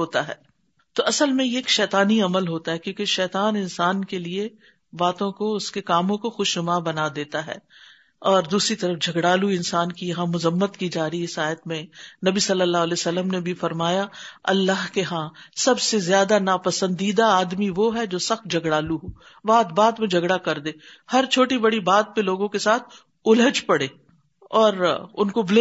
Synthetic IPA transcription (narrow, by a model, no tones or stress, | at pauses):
ɦoːt̪aɦɛː | t̪oɐsəlmẽeːkʃɛːt̪aːniɐməlɦoːt̪aɦɛkjõːkeʃɛːt̪aːnɪnsaːnkelie | baːt̪õkoʊskekaːmõkoxʊʃnʊmaːbɐnad̪eːt̪aɦɛ̰ː | ɔːɾd̪uːsɾit̪ɐɾəfd͡ʒʱɐɡɽaːluɪnsaːnkijɐɦãmʊzəmːət̪kid͡ʒaːɾəiɪsaːjət̪mẽnɐbisɐlːəlːaːɦlesɐlːəmnebʱifɐɾmaːjaɐ̰lːaɦkeɦãsɐbsezjaːd̪anaːpɐsə̃nd̪iːd̪aaːd̪miʋoɦɛd͡ʒoːsɐxt̪̚d͡ʒʱɐɡɽaːluɦoː | ʋaːt̪baːd̪mẽd͡ʒʱɐɡɽakɐɾd̪eːhɐɾt͡ʃʰoːʈibɐɽibaːt̪̚peloːɡõkesaːt̪̚ʰ | ʊləd͡ʒpɐɽeː | ɔːɾʊnkobɪle